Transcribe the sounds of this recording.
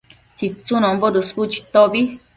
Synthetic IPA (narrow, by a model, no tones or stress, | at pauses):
t͡ʃit͡sunɔ̃mboduskut͡ʃi̥t̪obi